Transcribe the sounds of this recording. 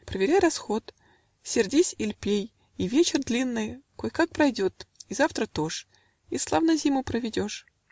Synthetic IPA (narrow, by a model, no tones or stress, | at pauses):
pɾəvʲɪɾʲajɾɐsxo̞t̪ | sʲɪrdʲisʲɪlʲpʲej | ivʲet͡ɕɪrd̪lʲinːɨjkojkak̚pɾɐjdʲo̞t̪izaft̪ɾət̪o̞ʂ | islˠavnɐzʲimʊpɾəvʲɪdʲo̞ʂ